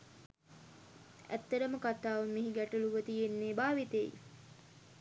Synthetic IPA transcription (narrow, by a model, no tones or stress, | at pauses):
æ̰t̪ːəɾəməkat̪aːʋəmiɦiɡæʈuluʋət̪ijenːeːbaːʋit̪eji